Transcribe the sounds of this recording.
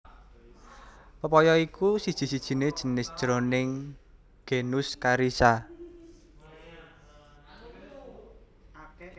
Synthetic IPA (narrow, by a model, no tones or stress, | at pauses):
pəpɔjɔikusid̥ʒ̥i̤sid̥ʒ̥i̤ned̥ʒ̥ə̤nɪsd̥ʒ̥ɾonɪŋ | ɡ̥enʊskaɾisa